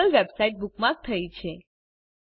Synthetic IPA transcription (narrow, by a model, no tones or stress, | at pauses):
əlʋebsaiʈ̚bukmãk̚t̪ʰəit͡ʃʰe